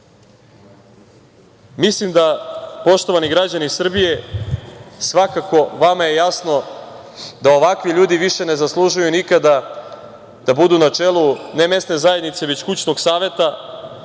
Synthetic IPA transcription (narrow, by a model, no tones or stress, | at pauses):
mislimd̪apo̞ʃt̪o̞ʋaniɡɾad͡ʑanisr̩bije̞ | sʋakako̞ʋamaje̞jasno̞ | d̪ao̞ʋakʋiʎuːd̪iʋiʃe̞ne̞zaslˠuʒujunikad̪a | d̪̥abud̪unat͡ʂe̞lˠuneme̞st̪ne̞zaje̞d̪nit̪se̞ʋet͡ɕkut͡ɕno̞ɡsaːʋe̞t̪a